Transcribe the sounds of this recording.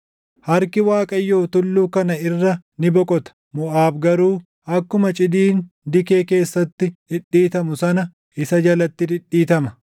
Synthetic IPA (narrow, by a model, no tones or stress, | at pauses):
hɐɾkɪwaːkʼɐjːoːt̪ʊlːuːkɐnɐɪrːɐnɪbɔkʼɔt̪ɐ̥ | mʊʔaːbɡɐɾuː | ɐkːʊmɐt͡ʃʼɪd̪iːn | d̪ɪke̞ːke̞ːsːɐt̪ːɪd̪ɪᶑiːt̪ɐmʊsɐnɐ | ʔɪsɐd͡ʒɐlɐt̪ːɪd̪ɪᶑːiːt̪ɐmɐ